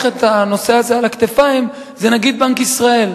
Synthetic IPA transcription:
χet̪ano̞se̞azealakt̪efaim | zenaɡid̪̚baŋkisʁae̞l

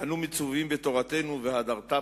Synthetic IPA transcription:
anumit͡suvimbet̪o̞ʁat̪ejnuvehad̪aʁt̪a

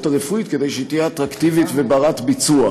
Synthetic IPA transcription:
t̪aʁefuit̪ked̪ejʃeit̪ijaat̪ʁakt̪ivitvebaʁat̪bit͡sua

